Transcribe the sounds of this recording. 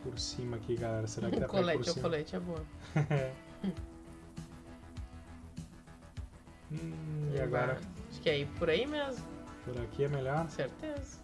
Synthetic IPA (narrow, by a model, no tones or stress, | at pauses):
poɾsĩmɐkiɡalɛɾɐseɾakɪd̪akolɛost͡ʃikolet͡ʃɪɛbõɐɛ | iaɡɔɾɐaʃkɪɛipʊɾaimezmʊpoɾakʰiɛmeʎɔɾseɾt̪ezɐ